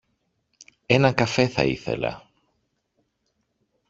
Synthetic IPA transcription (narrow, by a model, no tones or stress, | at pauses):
enɐŋkɐfe̞θɐ̰ḭθḛlɐ̰